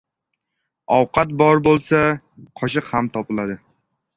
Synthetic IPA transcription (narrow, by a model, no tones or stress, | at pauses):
ɒwqʰɑt̪̚bɒɾbolˠsa | qʰɒʃɨqhamt̪ʰɒpɨlˠad̪ɪ